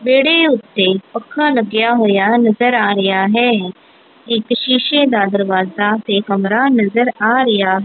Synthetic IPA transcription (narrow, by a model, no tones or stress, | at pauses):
beːɽeʊt̪ːepəkʰːaːlɐɡjaːɦoːjaːnɐzəɾaːɾɪjaːɦɛː | ekʃiːʃed̪aːd̪əɾʋaːzat̪ekɐmɾanɐzəɾaːɾɐjaːɦ